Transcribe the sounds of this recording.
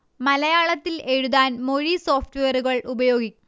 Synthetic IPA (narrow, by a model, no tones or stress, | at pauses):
mɐlɐjaːɭɐt̪ːile̞ɻuðaːnmo̞ɻiso̞ːfʰʈuʋejɐɾuɣɐɭʔubɐjo̞ːɡikʲː